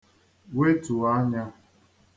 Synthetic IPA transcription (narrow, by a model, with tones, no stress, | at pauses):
we˦tu˨a˦ɲa˦